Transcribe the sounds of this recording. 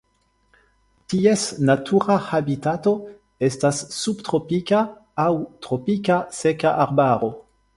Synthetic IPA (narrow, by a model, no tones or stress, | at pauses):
tiesnatʰuɾahabitato̞ | estasːubtʁopikaː | wtɾopikasekaʔaɾbaɾo